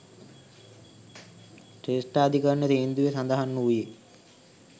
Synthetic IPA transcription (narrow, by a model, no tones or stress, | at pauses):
ʈeːsʈaːd̪ikəɾnːet̪eːnd̪uʋesand̪ɐɦanːuuje